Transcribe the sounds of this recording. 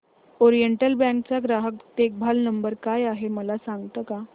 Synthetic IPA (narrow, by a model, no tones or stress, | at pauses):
ɔɾijəɳʈəlbɛ̃ŋk̚t͡saɡɾaɦəkt̪ek̚bʱalnəmbəɾkajaɦeməlasaŋɡt̪əka